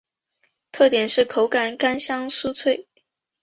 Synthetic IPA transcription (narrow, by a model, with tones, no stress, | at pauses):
t̪ʰɤ˥˩t̪jɛ˨˩nʂɻ̩˥˩kʰo˧˥ʊka˨˩nka˥nɕjɑ˥ŋsu˥t͡sʰwe˥˩ɪ